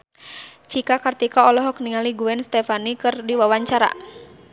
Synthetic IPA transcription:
t͡ʃikakart̪ikaɔlɔɦɔkniŋaliɡuɛnst̪ɛfanikɨrdiwawaɲt͡ʃaɾa̰

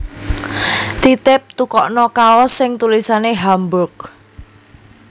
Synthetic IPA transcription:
t̪it̪ɪp̚t̪ukɔʔnɔkaɔsːɪŋt̪ulisaneɦambʊk̚

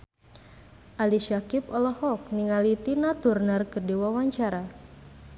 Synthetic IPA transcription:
ʔaliʃakipɔlɔhɔk̚niŋalit̪inat̪urnərkərdiwawaɲt͡ʃaɾa

